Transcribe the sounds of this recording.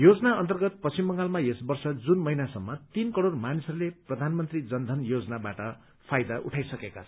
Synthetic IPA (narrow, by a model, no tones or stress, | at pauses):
jod͡zʌnaʌnt̪ʌrɡʌt̪̚pʌsimbʌŋɡalmajesbʌrsʌd͡zunmʌɦinasʌmːʌt̪inkʌɽormanisʌɾuleprʌd̪ʱanmʌnt̪rid͡zʌnd̪ʱʌnjod͡zʌnabaʈʌ | pʰajd̪aʔuʈʰajsʌkekat͡sʰʌ